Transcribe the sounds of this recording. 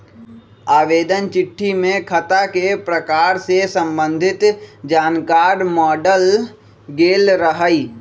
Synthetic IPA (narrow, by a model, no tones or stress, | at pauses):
aːʋeːd̪ənt͡ʃɪʈʰːimẽkʰət̪akepɾəkaːɾsesə̃mbə̃nd̪ʱɪt̪d͡ʒaːnkaːɾmɔːɖəl | ɡeːlɾəɦəi